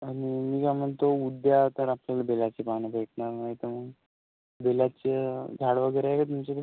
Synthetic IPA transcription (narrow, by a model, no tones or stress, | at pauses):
animiːkam̤əɳt̪oud̪jat̪əɾapljalabelat͡sepanibʱeʈnanəet̪əɾməɡ | belat͡ɕeɡʱaɽʋəɡəjɾajkat̪̬umt͡ɕek̪